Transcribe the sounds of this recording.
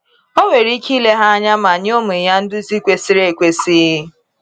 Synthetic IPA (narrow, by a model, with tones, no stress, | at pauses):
o˦ŋʷe˨ɾi˦ki˦le˦ɦa˦a˦ɲa˦ma˨ɲ˦o˦mu˨ja˦n̩˦dʊ˦zi˦kʷe˦si˦ɾe˦e˨kʷe˦si˦ɦ